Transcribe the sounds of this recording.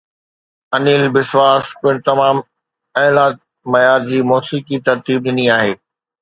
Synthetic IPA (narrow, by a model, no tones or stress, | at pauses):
ɐniːlbɪsʋaːspʊ̃ɪɽ̃t̪ɐmaːm | ɛːlaːt̪̚ | mɐjaːɾd͡ʑiːmɔːsiːkit̪ɐɾt̪iːb̚ɗɪniaːɦeː